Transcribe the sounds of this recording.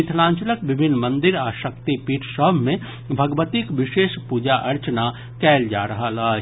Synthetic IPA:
ɪt̪ʰlãːɲt͡ʃələkʋɪbʱɪnːmɐ̃nd̪ɪɾaːʃəkt̪ipiːʈʰʃəbʱmẽ | bʱɐɡʋət̪ikʋɪʃeːʃpud͡ʒaʔɐɾt͡ʃəna | kɛːld͡ʒa̰ːɾɐɦalaː

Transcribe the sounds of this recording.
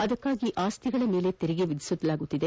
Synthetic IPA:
ɐd̪ɐkːaːɡiʔaːst̪iɡɐɭɐme̞ːle̞t̪eɾiɡeʋid̪ʱisud̪ɐlaːɡut̪ːid̪e

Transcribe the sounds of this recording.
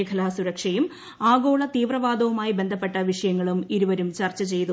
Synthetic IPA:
ɐkʰɐlaːsuɾɐkʂɐjum | aːɡo̞ːɭɐt̪iːʋrɐʋaːd̪ɐʋumaːjibe̞nd̪ʱɐpːe̞ʈːɐʋiʂɐjɐŋːɐɭumiɾuʋɐɾumt͡ɕɐrt͡ɕːɐt͡ɕe̞jt̪u

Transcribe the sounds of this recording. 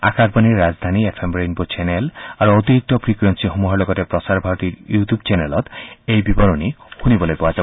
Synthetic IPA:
a̰kʰak̚baniɾːazd̪ʱaniepʰemɾejnbot͡ʃenelaɾuot̪iɾik̚t̪ɔpʰɾikwensiɦɔmuɦaɾlɔɡɔɾepɾɔsaɾbʱaɾɔt̪iɾjutubt͡ʃenelɔt̪ejbibɔɾɔnihunibɔlojpɔad͡ʒa

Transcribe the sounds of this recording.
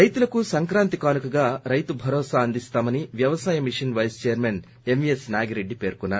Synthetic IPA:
ɐjt̪ulɐkusɐŋkɾaːnt̪ikaːnukɐɡaːɾɐjt̪ubʱɐɾɔːsaːɐnd̪ist̪aːmɐniʋjɐʋɐsaːjɐmiʂɐnʋɐjst͡ʃɛjɐɾmen | e̞mʋijesnaːɡiɾe̞ɖːipe̞ːɾkunːaːɾu

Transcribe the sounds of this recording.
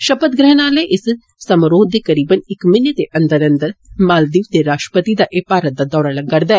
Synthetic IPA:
ʃəpət̪ɡɾɛɦnaːleːʔɪs | səmɾoːd̪eːkəɾiːbənɪkmɪnet̪eːʔənd̪əɾənd̪əɾmaːld̪iːʋd̪eːɾaːʃʈə̥pət̪id̪aːʔepaːɾət̪̚d̪aːd̪ɔːɾaːləɡːəɾd̪aːɛ

